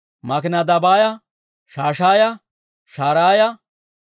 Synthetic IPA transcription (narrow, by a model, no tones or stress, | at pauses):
mɐkɪnɐd̪ɐbaːjɐ | ʃaːʃaːjɐ | ʃaːɾaːjɐ